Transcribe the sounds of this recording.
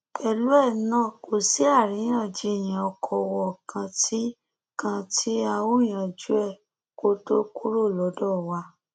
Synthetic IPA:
ɛ˧lu˦ɛ˦˨nãː˦˨ko˨si˦a˦˨ɾĩ˨˦ã˦˨d͡ʒi˨˦˨j̃ĩ˨ɔ˧kʰɔ˧wɔ˨kʰã˧tʰi˦ | kã˧tʰi˦a˧wu˦˨j̃ã˨˧d͡ʒu˦ɛ˦˨ | ko˦to˦ku˦ɾo˦˨lɔ˨˦dɔ˦˨wa˧˦

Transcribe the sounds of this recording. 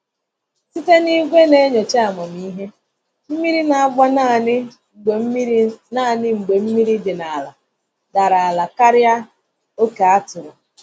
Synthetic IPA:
si˦te˦ni˦ɡʷe˦ne˦ɲo˨t͡ʃe˦a˨mɔ˨m˨i˦ɦe˦ | m̩˦mi˦ɾi˦na˨a˨ɡ͡ba˦˨˦ | na˦˨nɪ˦ŋ͡m̩˨ɡ͡be˨m̩˦mi˦ɾi˦dɪ˨na˨la̰˨ | da˨ɾa˨a˨la˨ka˦ɾɪ˦a˦ | o˦ke˨a˦tʊ˨ɾʊ˨

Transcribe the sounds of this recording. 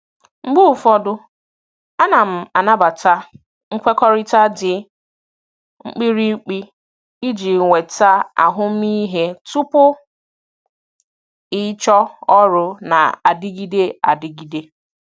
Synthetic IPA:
ŋ͡m̩˦ɡ͡bʊ˦˨fɔ˦dʊ˦ | a˦na˨m̩˨a˨na˦ba˨ta˦ | ŋ̩˦kʷe˦kɔ˦ɾɪ˦ta˦dɪ˨ | ŋ͡m̩˦k͡pi˦ɾi˦k͡pi˦ | i˦d͡ʒi˨ŋʷe˨ta˦a̰˨ɦʊ˦m̩˦i˦ɦe˦tu˦pʊ˦ | ɪ˦t͡ʃɔ˦ɔ˦ɾʊ˨na̰˨a˨dɪ˦ɡi˦de˦a˨dɪ˦ɡi˨de˦

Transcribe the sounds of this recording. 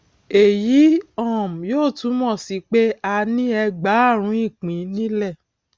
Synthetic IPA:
e˨ji˨˦ɔ̃˦˨m̩˨joː˦˨tũ˨˦mɔ̃˦˨si˨˦k͡pe˦a˧nĩ˦ɛ˧ɡ͡ba˨˦a˦˨ɾ̃ũ˨˦ĩ˦˨k͡pĩ˨˦nĩ˦lɛ˦˨

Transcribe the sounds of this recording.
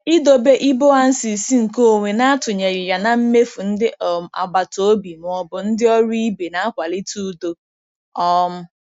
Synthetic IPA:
i˦do˨be˦ʔi˦bo˦a˨n̩˦si˨si˦ŋ̩˨ko˦˨ŋʷe˨na˦a˦tʊ˨ɲe˨ɾɪ˨ja˨na˨m̩˦me˦fu˨n̩˦dɪ˦˨m˨a̰˨ɡ͡ba˨to˦bi˨m˨ɔ˦bʊ˨n̩˦dɪ˦ɔ˦ɾi˦be˨na˨˦a˦kʷa˨lɪ˦tu˦do˦ | ɔ˦m̩˦

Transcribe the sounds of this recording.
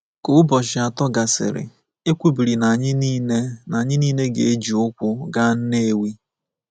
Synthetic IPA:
kʊ˨˦ʊ˦bɔ˨ʃɪ˨a˨tɔ˦ɡa˨sɪ̰˨ɾɪ̰˨ | e˦kʷu˦bi˨ɾi˨na˨ɲɪ˦niː˦ne˦na˨ɲɪ˦niː˦ne˦ɡḛ˨e˦d͡ʒi˨ʊ˦kʷʊ˦ɡa˦n̩˦ne˦e˦wi˦

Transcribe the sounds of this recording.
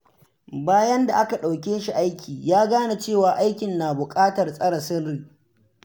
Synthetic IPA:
baː˦jɐ˦nda˨ʔa˦ka˨ɗa˨wkʲeː˦ʃi˨ʔa˦jkʲʰiː˨jaː˦ɡaː˦na˨t͡ʃeː˦˨waː˨ʔa˦jkʲɪ˨nːaː˨bʊ˨kʼaː˦tɐ˨rsʼɐ˦ɽɐ˨sɪ˦rːiː˨

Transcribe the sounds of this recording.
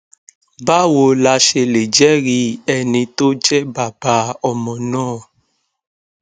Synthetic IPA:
ba˦wo˧la˧ʃe˧le˨d͡ʒɛ˦ɾi˧ɛ˧nĩ˧to˦d͡ʒɛ˦ba˨ba˧˦ɔ˧mɔ̃˨nãː˦˨

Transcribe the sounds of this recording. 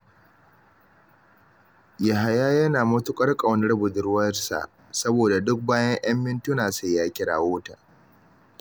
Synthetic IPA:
ja˨ɦa˨jaː˦jɐ˦naː˨mʊ˦tʊ˦kʷʼɐ˦rkʼɐ˨wnɪ˦ɽɐ˦bʊ˨dʊ˦ɽwɐ˦rsa̰˨ʔ | sɐ˦boː˨da˨dʊ˦k̚baː˦jɐ˦ɲʔɐ˦mːɪ˦ntʊ˦naː˨sa˦˨jaː˦kʲʼɪ˦ɽa̰ː˨woː˦ta̰ː˨

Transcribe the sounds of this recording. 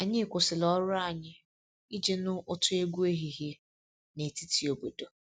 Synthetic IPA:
a˨ɲɪ˦˨kʷʊ˨sɪ˨lɔ˦ɾʊ˦a˦˨ɲɪ˦ | i˦d͡ʒe˦nʊ˦ʔʊ˦tʊ˦e˦ɡʷu˦e˦ɦi˨ɦi˦ | ne˨ti˦tʰi˨˦o˨bo˨do˨

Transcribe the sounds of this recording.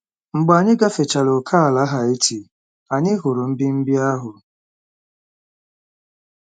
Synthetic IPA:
ŋ͡m̩˨ɡ͡ba˨ɲɪ˦ɡa˦fe˨t͡ʃa˨lo˨kʰa˦a˨la˦ɦa˨e˦ti˨ | a˨ɲɪ˦ɦʊ˨ɾʊ˨m̩˦bi˦m̩˦bi˦a˦ɦʊ˨

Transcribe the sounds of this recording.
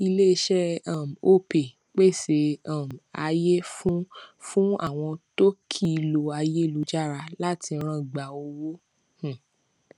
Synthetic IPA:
i˧le˦i˧ʃɛ˦ã˦˨m̩˨o˦pe˨ | k͡pe˦˨se˨˧˦ã˦˨m˨a̰˧je˦fũ˦fũ˦a̰˦˨w̃ɔ̃˧to˦kʰi˦˨˧lo˧a˧je˦˧lu˨˧d͡ʒa˦˨ɾa˧la˦tʰi˧˦ɾ̃ã˦˨ɡ͡ba˨o˧wo˦ | h̩˦˨

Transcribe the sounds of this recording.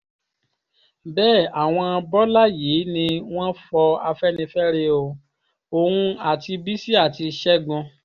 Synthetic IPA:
bɛː˦˨a˨w̃ɔ̃˧a˧bɔ˦la˦jeː˨˦nĩ˧w̃ɔ̃˦fɔ˧a˧fɛ˦nĩ˧fɛ˦ɾe˧o˧˨ | o˨hũ˧a˨ti˧bi˦si˦a˦˨ti˧ʃɛ˦ɡɔ̃˧

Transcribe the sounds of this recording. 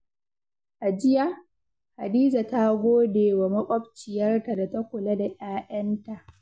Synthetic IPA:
ʔa˨d͡ʒɪ˦ja˦˨ | ha˨diː˦za˨ta˦ɡʷoː˦deː˨wa˨mɐ˦kʷʼɔ˦bt͡ʃɪ˨jɐ˦rta˨da˨ta˦kʷʊ˨lɐ˦da˨ʔaː˦ʔɐ˦nta˨ʔ

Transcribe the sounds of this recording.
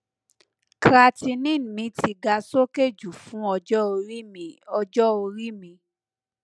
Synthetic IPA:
kɾa˧ti˧nĩ˦˨n˨mĩ˨˦tʰi˧ɡa˧so˦ke˦˨d͡ʒu˨fũ˨˦ɔ˧d͡ʒɔ˦o˧ɾi˦mĩ˨ɔ˧d͡ʒɔ˦o˧ɾi˦mĩ˧

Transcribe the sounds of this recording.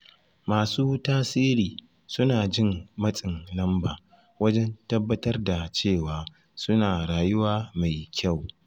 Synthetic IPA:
maː˨suː˦taː˦siː˦ɾiː˨ | sʊ˦naː˨d͡ʒɪ˦mmɐ˦sʼɪ˨ŋlɐ˦mbaː˨ | wɐ˦d͡ʒɛ˦ntɐ˦bːɐ˦tɐ˦rda˨t͡ʃeː˦˨waː˨ | sʊ˦naː˨ɽaː˨jʊ˦waː˦ma˨jkʲa˦˨w

